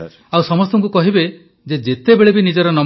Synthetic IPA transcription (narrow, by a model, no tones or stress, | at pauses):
awsɔmɔst̪ɔŋkukɔɦibe | d͡ʒed͡ʒet̪ebeɭebinid͡ʒɔɾɔnɔ